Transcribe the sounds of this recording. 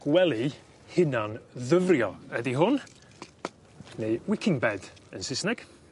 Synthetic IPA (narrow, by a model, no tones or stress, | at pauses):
ɡ̥wɛlˠi | hɪnanðəvrjɔədiɦʊn | neɨwɪkʰɪŋbɛdənsɪsnɛɡ̥